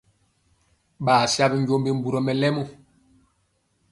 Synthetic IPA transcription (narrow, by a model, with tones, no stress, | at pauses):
ɓaː˨sja˦bi˦ɲɟo˦mbi˦m̩˦bu˨ɾɔ˨mɛ˨lɛ˦mu˦˨